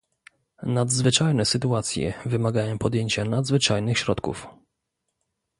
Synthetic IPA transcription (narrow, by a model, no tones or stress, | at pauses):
nad̪zvɘt͡ʂajnɛsɘt̪uat̪sʲjɛ̰vɘmaɡajɔ̃pɔd̪jeɲt͡ɕanad̪zvɘt͡ʂajnɘxɕɾɔt̪kṵf